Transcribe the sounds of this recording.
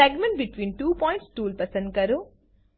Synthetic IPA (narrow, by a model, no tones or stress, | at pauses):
ɛɡmẽɳʈbiʈʋĩːnʈuːpɔːj̃ɳʈsʈuːlpɐɾsẽɳʈ̚kɐɾu